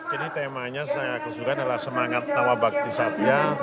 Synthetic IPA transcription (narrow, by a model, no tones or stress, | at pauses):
d͡ʒadit̪emaɲasajakəsukandalahsəmaŋat̪̚nawabak̚t̪isapia